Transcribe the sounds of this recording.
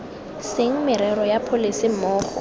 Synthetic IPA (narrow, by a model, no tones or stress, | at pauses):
sɪŋ̩mɪɾɛɾɔjapʰolisɪm̩mɔːχɔ̰